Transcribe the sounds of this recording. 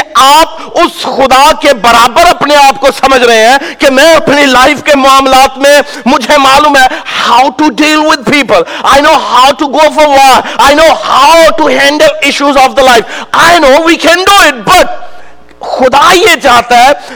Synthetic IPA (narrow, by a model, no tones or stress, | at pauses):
aːp̚ | ʊsxʊd̪akebɐɾaːbəɾɐpneaːp̚kosɐməd͡ʒʱɾɐɦẽɦɛ̃kemɛ̃ɐpnilaɪfkemʊaːmlaːt̪mẽ | mʊd͡ʒʱemaːluːmɦɛhaʊʈuɖiːlwɪd̪̚piːpəlaɪnoːhaʊʈuɡoːfɔɾwɔʈaɪnoːhaʊʈuɦɛ̃ːɳɖəlɪʃuzɔːfd̪əlaɪfaɪnoːwiːkʰɛ̃nɖuːɪʈ̚bɐʈ̚ | xʊd̪ajed͡ʒaːt̪aɦɛ